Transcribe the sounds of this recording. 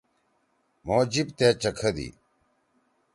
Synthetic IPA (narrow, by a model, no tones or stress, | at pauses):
moːd͡ʑibt̪eːt͡ɕɐkʰɐd̪ḭ